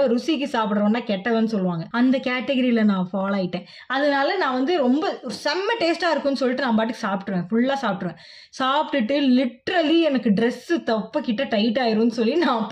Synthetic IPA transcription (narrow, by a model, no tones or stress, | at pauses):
ɾʊsik̬ːɯsaːpɪɽɯɾɐʋɐːnːaːkɛʈːɐʋɐnːɯsɔlːɯʋaːŋɡɐʔɐnd̪ɐkeːʈɛɣɐɾilɐnãːfaːlaːjɪʈːẽː | ɐðɐnaːlɐnãːʋɐnd̪ɯɾɔmbɐɔɾsɐmːɐʈeːsʈaːɪɾɯkːʊ̃nːɯsɔlːiʈːɯnãːpaːʈ̬ːɯkːsaːpʈɯʋẽːfʊɭːaːsaːp̚ʈɾɯʋẽː | saːpʈɯʈːɯlɪʈːɾɐliɛnɐkːɯɖɾɛsɯt̪ɐpːɐkɪʈːɐʈɐɪʈːaːjɪɾũnːɯsɔlːinãː